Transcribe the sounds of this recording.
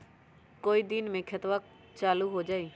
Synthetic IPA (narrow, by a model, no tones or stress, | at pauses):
koːid̪ɪnmẽkʰɪt̪ʋək̚ | t͡ʃaːluɦod͡ʒaːiː